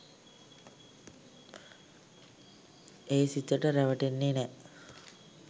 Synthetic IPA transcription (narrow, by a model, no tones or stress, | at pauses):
eːsit̪əʈəɾæʋəʈenːenɛ